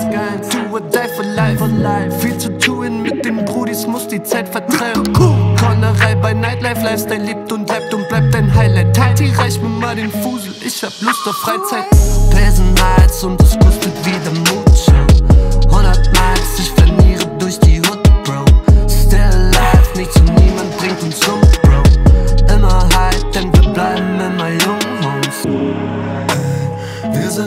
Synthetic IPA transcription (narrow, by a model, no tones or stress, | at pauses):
sɡ̥aɪd̥uwɔd̥aɪfəlaɪflaɪffiːlt͡sutʰuːənmɪt̚d̥eːmbʁuːɾismʊsd̥iːt͡saɪtfɛɐtʁ̥aɪənkʰkʰɔnəʁaɪbaɪnaɪtlaɪflaɪfstd̥aɪnliːp̚tʊntblaɪp̚tʊnt̚b̥laɪp̚d̥aɪnɦaɪlaɪtʰːaɪ̥iʁaɪçmɪmaɾenfuːzl̩ʔɪçhablʊsd̥əfʁ̥aɪt͡saɪtb̥ɛzn̩malszʊntskʰɔstətviːdəmoːtʃuhʊndɐtmalsɪçfɛɐniːʁədʊɐçd̥iːhʊtb̥aʊstɛllːaɪfnɪçt͡suniːmant̚b̥ʁɪŋtʊnsz̥ʊmb̥ʁaʊʔɪmɐhaɪt̚d̥ɛnviːɐblaɪbm̩ːɪmajʊŋhɔʊns | viz